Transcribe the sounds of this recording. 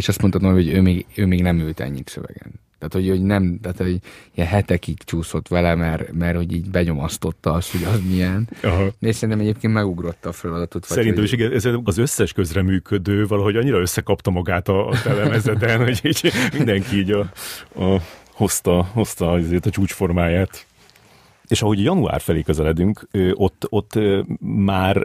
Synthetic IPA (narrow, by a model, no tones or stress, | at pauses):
eʃɒst̪moɒt̪omojoøːmeːɡøːmeːɡnɛmylt̪ɛ̰ɲːit̪sø̰vɛ̰ɡɛ̰nt̪æːt̪ho̞ɟoɟnɛmt̪aːt̪hoɟiɛnɦɛt̪ɛkit̪t͡ʃuːsot̪ʋɛlɛmɛrmɛrho̞ɟiːɟbɛɲo̞mɒst̪o̞t̪ːɒɒst̪ho̞ɟɒzmijɛnɒɦɒeʃsɛɾint̪ɛmɛɟeːp̚keːnmɛɡuɡɾot̪ːɒːfɛlɒd̪ɒt̪ot̪ʋsɛɾint̪ɛmiʃiɡɛnɛzeːɒzøsːɛʃkø̞zrɛmyːkʰød̪øːvɒlɒɦo̞ɟɒɲːiɾɒøsːɛkɒpt̪ɒmɒɡaːt̪ɒːt̪ɛlɛmɛzɛt̪ɛnho̞ɟiːɟmind̪ɛŋkiiːɟɒɒho̞st̪ɒho̞st̪ɒizeːt̪ɛt͡ʃuːt͡ʃfo̞rmaːjaːt̪ | eːʃɒɦoɟɒjɒnua̰ːrfɛleːkøzɛlɛd̪yŋkʰøːʔo̞t̪ːo̞t̪ːømaːr